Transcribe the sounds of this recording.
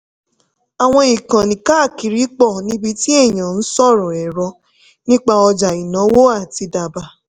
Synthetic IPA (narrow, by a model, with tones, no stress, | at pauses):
a˨w̃ɔ̃˧i˨kã˨nĩ˨kaː˦˨ki˨ɾi˨˦k͡pɔ˦˨nĩ˦bi˧ti˦e˦˨ɲ̃ã˨n̩˦sɔ˦˨ɾɔ̃˨ɛ˨ɾɔ˧˦ | nĩ˦k͡pa˧ɔ˧d͡ʒa˨i˨nɔ̃˨˦wo˦a˦˨ti˧da˨ba˧˦